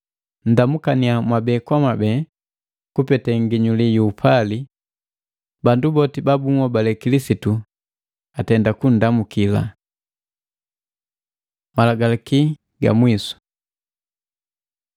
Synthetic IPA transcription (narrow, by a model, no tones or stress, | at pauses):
n̩damukaniamwabɛkwamabɛ | kupɛtɛŋɡiɲulijuːpʰali | bandubɔtibabuŋwɔbalɛkilisitu | atɛndakun̩damukila̰ | malaɡalaki | ɡa̰mwisu̥